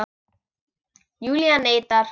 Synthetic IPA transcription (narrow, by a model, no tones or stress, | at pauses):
juljanejt̪aɾ